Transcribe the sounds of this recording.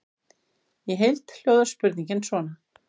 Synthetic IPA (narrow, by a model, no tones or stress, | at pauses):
jɛɦejlt̪l̥joːwðʏ̥spʏɾt̪nĩɲcɪnsvɔːna